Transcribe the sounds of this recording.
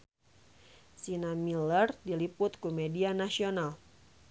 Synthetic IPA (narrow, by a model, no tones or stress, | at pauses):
sinamilərdilipʊt̪̚kumedianasional